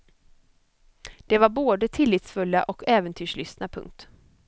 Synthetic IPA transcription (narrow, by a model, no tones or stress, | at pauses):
d̪̥ɛvaɾboːd̪ət̪ʰɪlːiːt̪sfɵlːa̰ʔɔkʰɛːvənt̪ʰyːʂɭʏst̪napʰɵ̰ŋk̚t̪